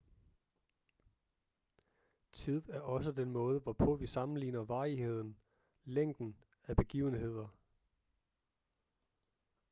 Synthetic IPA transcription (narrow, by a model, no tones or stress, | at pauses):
t͡sʰið̰ˠæɐɒ̽s̬əd̥enmɔ̽ːð̞ˠəʋɒpʰɔ̽ʋisɑ̈mn̩lḭːnɐʋɑ̈ːihe̝ð̞̰ˠn̩ | leŋ̰d̥n̩ | æb̥e̝ɡ̥ḭːʊn̩ɦe̝ð̞̰ˠɐ